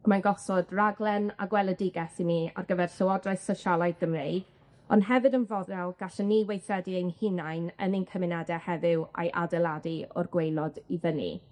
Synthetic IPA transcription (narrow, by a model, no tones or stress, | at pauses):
manɡɔsɔdraɡlˠɛna̰ɡwɛlˠədɪɡɛθinia̰rɡəvɛrɬəwɔdraɨθsɔʃalˠajðɡ̥əmrejd | ɔnɦɛvɨdənvɔdɛlˠɡ̥aɬaniwejθɛdiejnhɪnajnə̰nɪnkʰəmɪnadɛhɛvɪwa̰jʔa̰dɛlˠadiɔ̰rɡwejlˠɔdiðənḭ